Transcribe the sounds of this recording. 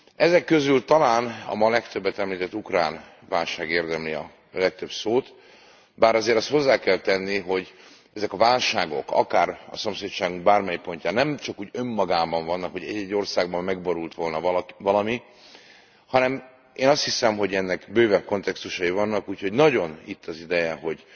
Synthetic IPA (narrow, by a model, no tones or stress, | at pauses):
ɛzɛkːø̞zylt̪ɒlaːnɒ̰mɒlɛkt̪øbːɛt̪ɛmliːt̪ɛt̪ːukra̰ːn | vaːlʃaːɡeːrd̪ɛmliɒ̰ | lɛk̚t̪øbsoːt̪ | baːɾɒzeːɾɛst̪ho̞zːaːkɛlt̪ɛnːiɦo̞ɟ | ɛzɛkɒvaːlʃaːɡo̞̰kɒ̰kaːɾɒ̰so̞mseːct͡ʃaːɡuŋɡ̚baːrmɛjipo̞ɲcaːnɛmt͡ʃɒkuːɟø̞mːɒɡaːbɒɱvɒnːɒkho̞ɟɛ̰ɟːɛɟːo̞rsaːɡbɒmːɛɡboɾult̪ʋo̞lnɒvɒlɒmi | hɒnɛm | eːnɒst̪hisɛmɦo̞ɟɛnːɛkbøːvɛpko̞nt̪ɛkst̪uʃɒivɒnːɒkuːcho̞ɟnɒɟo̞nit̪ʰːɒzid̪ɛjɛɦo̞ɟ